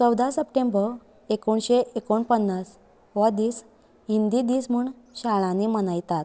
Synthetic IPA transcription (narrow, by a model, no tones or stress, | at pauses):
t͡səwd̪asəpʈẽmbə | ekuːɳɕeʔekuːɳpənːas | ʋad̪iːs | ɦind̪id̪iːsm̤uːɳ | ɕaɭãnemənajt̪at̪